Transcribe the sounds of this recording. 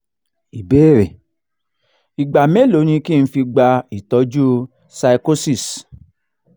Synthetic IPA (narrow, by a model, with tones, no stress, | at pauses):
i˨be˦ɾe˨ | i˨ɡ͡ba˨me˦lo˨˦ñĩ˧ki˦˨n̩˦fi˧ɡ͡ba˧i˨tɔ˨˧˦d͡ʒu˦ | sa˧i˧ko˦si˦˨s